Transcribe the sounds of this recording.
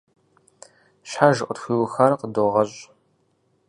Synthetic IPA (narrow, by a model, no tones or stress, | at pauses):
ɕħaʒɨʔʷʼətxʷiːwʊxɐrqədoːʁɐɕʼ